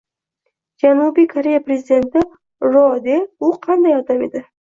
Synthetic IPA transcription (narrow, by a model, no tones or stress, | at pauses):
d͡ʒanubikʰaɾejapɾezid̪e̞nt̪ɪ | ɾod̪eʊqʰand̪ajɑd̪amed̪ɪ